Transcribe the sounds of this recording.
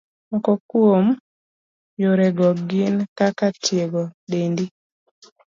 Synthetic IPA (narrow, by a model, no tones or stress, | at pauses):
mɔkɔkuom | joɾɛɡɔɡɪnkakatjeɡɔɗendi